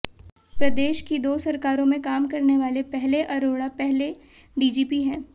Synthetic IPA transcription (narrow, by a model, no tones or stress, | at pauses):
pɾɐd̪eːʃkid̪oːsɐɾkaːɾõmẽkaːmkɐɾneʋaːlepɛɦleʔɐɾoːɽapɛɦle | ɖiːd͡ʒiːpiɦɛ̃ː